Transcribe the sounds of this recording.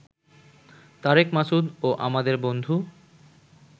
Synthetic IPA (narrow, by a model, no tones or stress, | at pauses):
t̪aɾekmasud̪oʔa̰mad̪eɾbond̪ʱu